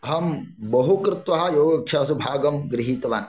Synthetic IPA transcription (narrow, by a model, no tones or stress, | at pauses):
ɐɦɐmbɐɦukɾɪt̪ʋɐɦɐ̆joːɡɐkʃaːsubʱaːɡɐmɡɾiɦiːt̪ɐʋaːn